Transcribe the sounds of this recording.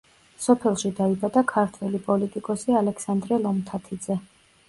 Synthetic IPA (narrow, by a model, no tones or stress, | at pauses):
sɔpʰɛlˠʃid̪aibad̪akʰaɾt̪ʰwɛlipʼɔlit̪ʼikʼɔsialɛksand̪ɾɛlˠɔmt̪ʰat̪ʰid̪zɛ